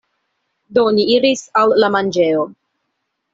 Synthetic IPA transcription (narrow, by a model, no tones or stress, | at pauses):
doniiɾisalːamand͡ʒe̞o